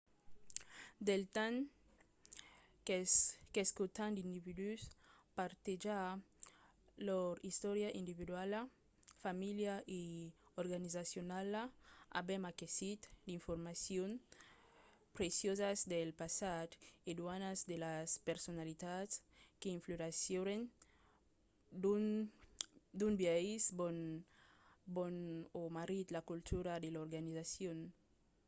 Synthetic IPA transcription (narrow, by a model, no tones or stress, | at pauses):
d̪elt̪an | keskut̪and̪ind̪ivid̪yspaɾt̪ed͡ʒa | loɾist̪ɔɾjaʔind̪iβid̪wala | familjaʔeoɾɡanizasjonalaa̰bɛmakesit̪d̪iɱfoɾmasjon | pɾesjozazd̪elpasat̪ed̪wanazd̪elaspeɾsonalit̪atskeiɱfloɾasjoɾen | dun | d̪unbjaizbon | bonomaɾit̪lakult̪ʰuɾad̪eloɾɡanizasjon